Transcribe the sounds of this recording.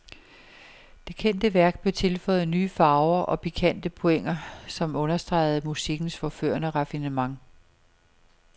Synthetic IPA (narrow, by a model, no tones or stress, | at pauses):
d̥e̝kʰen̰d̥əʋæɐɡ̥̚b̥le̝ʊt͡sʰe̝lfɒ̽ɪð̩ˠnyːfɑ̈ʊɐʔɒ̽pʰikʰæn̰d̥əpʰoeŋ̰ɐsɒ̽mɔ̽nɐsd̥ʁɑ̈ɪð̞̩ˠmusiɡ̥n̩sfɒfø̰ɐnəʁɑfinəmɑ̈ŋ